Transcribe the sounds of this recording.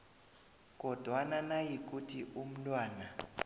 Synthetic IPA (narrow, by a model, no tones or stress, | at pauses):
k̬ʼɔd̥ʱwananajik̬ʼutʰiʔum̩lwaːna